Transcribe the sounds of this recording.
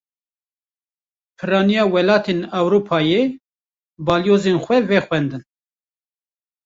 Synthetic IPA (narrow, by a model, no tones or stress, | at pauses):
pʰɨɾɑːnijɑːwɛlɑːt̪ʰeːnɑwɾuːpʰɑːje | bɑːljoːzenxʷɛvɛxʷwɛnd̪ɨn